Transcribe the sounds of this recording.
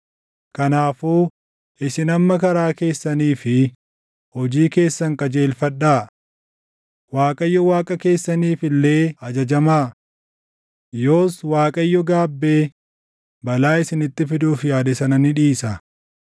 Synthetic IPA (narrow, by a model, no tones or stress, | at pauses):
kɐnaːfuː | ʔɪsɪnɐmːɐkɐɾaːke̞ːsːɐniːfɪ | hɔd͡ʒiːke̞ːsːɐŋkʼɐd͡ʒe̞ːlfɐᶑːaː | waːkʼɐjːɔwaːkʼɐke̞ːsːɐniːfɪlːe̞ːɐd͡ʒɐd͡ʒɐmaː | jo̞ːswaːkʼɐjːɔɡaːbːe̞ː | bɐlaːɪsɪnɪt̪ːɪfɪd̪uːfjaːd̪ɛsɐnɐnɪᶑiːsɐ